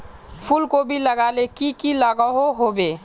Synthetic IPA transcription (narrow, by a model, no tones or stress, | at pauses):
pʰulkobʱiləɡalekikiləɡəɦoɦobe